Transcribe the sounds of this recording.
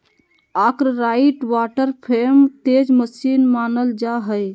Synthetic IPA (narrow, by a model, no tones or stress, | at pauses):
aːkɾɾaiʈʋaʈəɾpʰemt̪ed͡ʒməsinmaːnəld͡ʒaɦəj